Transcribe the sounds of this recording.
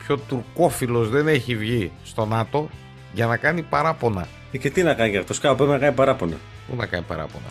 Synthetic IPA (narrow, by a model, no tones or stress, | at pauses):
pço̞t̪uɾko̞filo̞zðe̞ne̞çivʝist̪o̞nɐt̪o̞ | ʝɐnɐkɐnipɐɾɐpo̞nɐ̰ | ice̞t̪inɐkɐnicɐkt̪oskɐpoeenɐkɐnipɐɾɐpo̞nɐ̰ | pṵnɐkɐnipɐ̰ɾɐ̰po̞̰nɐ̰